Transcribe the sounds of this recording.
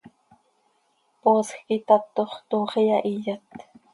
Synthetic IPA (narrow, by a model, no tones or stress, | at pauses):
posxkit̪at̪oχt̪oːχijaʔijat̪